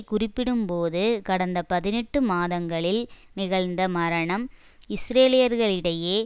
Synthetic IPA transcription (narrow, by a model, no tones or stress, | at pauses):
kʊrɪpːɪɽɯmpoːðɯkɐɽɐnd̪ɐpɐðɪnɛʈːɯmaːðɐŋɡɐɭɪl | nɪɣɐɭnd̪ɐmɐɾɐɳɐm | ɪsɾeːlɪjɐɾɣɐɭɪɽɐjeː